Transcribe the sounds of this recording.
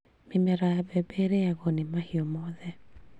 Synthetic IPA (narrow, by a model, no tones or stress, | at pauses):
mimɛɾajabɛbeɾeaɣɔnimahiɔmɔðɛ